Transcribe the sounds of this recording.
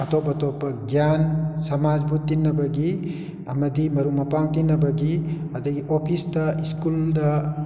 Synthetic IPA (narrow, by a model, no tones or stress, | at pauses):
ɐtɔpːɐtɔpːɐɡjansɐmad͡ʒbut̪ːinːɐbɐɡi | ɐmɐdimɐɾumɐpaŋtinːɐbɐɡi | ɐdɐɡiʔopʰisdɐiskuldɐ